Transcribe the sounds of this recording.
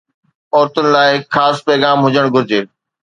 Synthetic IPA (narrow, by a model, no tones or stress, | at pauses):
ɔːɾt̪ʊnɪ̆laːɪxʰaːspɛːɡaːmɦʊd͡ʑəɽ̃ɡʱʊɾɪd͡ʑeː